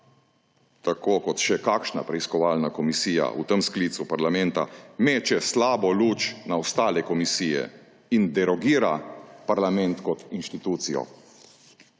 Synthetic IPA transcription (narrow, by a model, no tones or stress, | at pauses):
t̪akoːkɔt̪ʃɛkaːkʃna̰pɾɛiskɔʋaːlnakɔmisiːja̰ʔṵt̪əmskliːt̪supaɾlamɛnt̪a̰meːt͡ʃɛslaːbɔluːt͡ʃnaɔst̪aːlɛkɔmisiːjɛ̰ | ind̪ɛɾɔɡiːɾapaɾlamɛ̃nt̪kɔt̪inʃt̪it̪uːt̪sijɔ̰